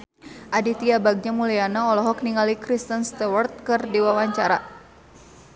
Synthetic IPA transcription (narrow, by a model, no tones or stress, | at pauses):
ʔadit̪iabaɡ̚ɲamulijanaɔlɔɦɔk̚niŋalikɾist̪ənst̪awɔrt̪̚kɨrdiwawaɲt͡ʃaɾa